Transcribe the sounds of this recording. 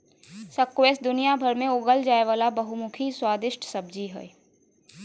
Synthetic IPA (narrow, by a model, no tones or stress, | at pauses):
səkweːsd̪ʊnijabʱəɾmẽʊɡəld͡ʒaːeʋaːlabɐɦumʊkʰiswaːd̪ɪʃʈʰsɐb̚d͡ʒiɦɛ̰e